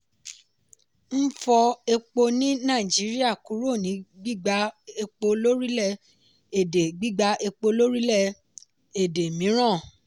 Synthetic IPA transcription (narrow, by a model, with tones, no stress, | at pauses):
n̩˦fɔ˧e˧k͡po˧nĩ˦nãː˦˨d͡ʒi˨˦ɾi˦a˦˨ku˨˦ɾo˦˨nĩ˨˦ɡ͡bi˦ɡ͡ba˧e˧k͡po˧lo˦ɾi˦lɛ˦˨ | e˨de˨ɡ͡bi˦ɡ͡ba˧ʔe˧k͡po˧lo˦ɾi˦lɛ˦˨ | e˨de˨mĩ˨˦ɾ̃ã˦˨